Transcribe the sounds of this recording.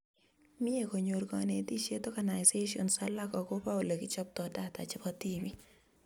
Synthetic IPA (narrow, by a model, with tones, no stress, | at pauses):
mɪ˦e˨ko˨ɲorɡɔne˨˦ti˦ʃe˦tɔ˦ɡa˨na˨jse˦ʃɔ̰˨nsa˦la˦kɔ˨ko˦pa˦ʊ˨le˨kɪ˦t͡ʃɔ˦p̚tɔ˨da˦ta̰˨t͡ʃɪpɔti˦mi˦